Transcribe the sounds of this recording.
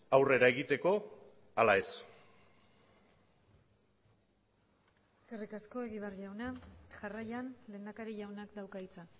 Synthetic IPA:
awre̞ɾae̞ɣit̪e̞ko̞ | alae̞s | eskerikasko̞e̞ɣiβrʎawnaʝarajanle̞ːnd̪akaɾiʝawnakd̪awkait͡sa

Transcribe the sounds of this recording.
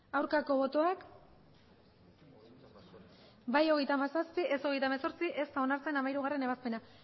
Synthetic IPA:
awɾkako̞βo̞t̪oak | bajo̞ɣ̞e̞jt̪aːmasaspie̞so̞ɣ̞e̞jt̪amaso̞ɾt͡siʔe̞st̪ao̞naɾt͡se̞namaiɾuɣare̞ne̞βaspe̞na

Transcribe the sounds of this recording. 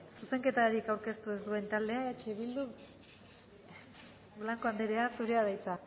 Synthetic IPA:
suse̞ŋke̞t̪aɾikawɾke̞st̪ue̞zd̪ue̞nt̪ald̪e̞aet͡ʃeβild̪u | blaŋko̞and̪eɾeasuɾiaðajt͡sa

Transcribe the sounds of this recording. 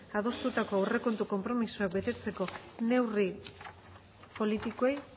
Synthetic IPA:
að̞o̞st̪ut̪ako̞awre̞ko̞nt̪uko̞mpɾo̞misuak̚be̞t̪e̞t͡se̞ko̞ne̞wri | po̞lit̪ikoej

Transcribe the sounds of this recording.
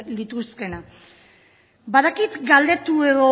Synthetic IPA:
lit̪uske̞na | baðakit̪ɡald̪e̞t̪ueɣo̞

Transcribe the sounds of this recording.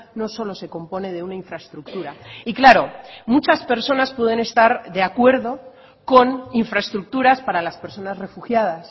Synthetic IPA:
no̞so̞lo̞se̞ko̞mpo̞ne̞ð̞e̞unaiɱfɾaest̪ɾuk̚t̪uɾaiklaɾo̞mut͡ʃaspe̞ɾso̞naspwe̞ð̞e̞ne̞st̪aɾðe̞akwe̞ɾðo̞ | ko̞niɱfɾaest̪ɾuk̚t̪uɾaspaɾalaspe̞ɾso̞nazre̞fuxjað̞as

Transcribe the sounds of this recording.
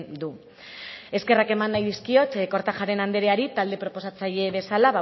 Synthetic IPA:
nd̪u | e̞ske̞rake̞manːajðiskio̞t̪ko̞ɾt̪aʝaɾe̞nand̪eɾeaɾit̪ald̪e̞pɾo̞po̞sat͡saʎe̞βe̞salaβa

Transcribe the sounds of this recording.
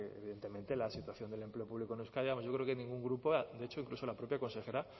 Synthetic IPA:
eβiðe̞nt̪e̞mẽnt̪e̞lasit̪waθjo̞nd̪ele̞mple̞opuβlikonuskajamoʝo̞kɾekenĩŋɡuŋɡɾupoad̪eet͡ʃo̞iŋkluso̞lapɾo̞pjako̞nse̞xe̞ɾa

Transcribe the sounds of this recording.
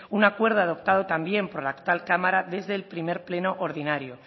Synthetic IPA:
unakwe̞ɾð̞oað̞o̞pt̪aðo̞t̪ambje̞mpo̞ɾlaːkt̪walkamaɾaðe̞zðe̞ːlpɾime̞ɾple̞no̞ʔoɾðinaɾjo

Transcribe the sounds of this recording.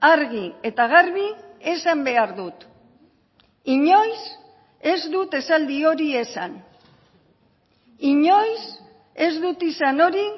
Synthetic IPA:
aɾɣie̞t̪aɣ̞aɾβie̞sambe̞aɾðut̪ | iɲo̞js | e̞zd̪ut̪e̞sald̪io̞ɾie̞san | iɲo̞js | e̞zðut̪isano̞ɾi

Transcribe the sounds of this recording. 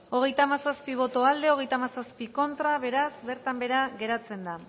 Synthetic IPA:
o̞ɣ̞e̞jt̪amasaspiβ̞o̞t̪o̞ald̪e̞oɣ̞e̞jt̪amasaspiko̞nt̪ɾaβe̞ɾasbe̞ɾt̪ambe̞ɾaɣe̞ɾat͡se̞nd̪a

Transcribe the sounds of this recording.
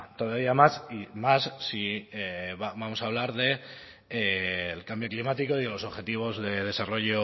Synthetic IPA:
t̪o̞ðaβiamasimasːieβabamo̞saːβ̞laɾðe̞ | lkambjo̞klimat̪iko̞iðe̞lo̞so̞βxe̞t̪iβ̞o̞zðe̞ð̞e̞saro̞ʝo

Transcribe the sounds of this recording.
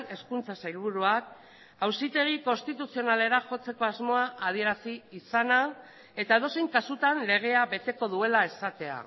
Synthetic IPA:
ne̞skunt͡sasajlβ̞uɾuak̚ | awsit̪e̞ɣ̞iko̞nst̪it̪usio̞nale̞ɾaxo̞t͡se̞ko̞azmo̞aʔað̞ie̞ɾasiːsana | e̞t̪aeðose̞jŋkasut̪anle̞ɣ̞e̞aβe̞t̪e̞ko̞ðue̞lae̞sat̪e̞a̰

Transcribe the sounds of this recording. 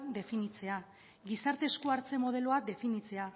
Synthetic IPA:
d̪e̞finit͡se̞a | ɡisaɾt̪e̞skoaɾt͡se̞mo̞ðe̞lo̞ad̪e̞finit͡se̞a

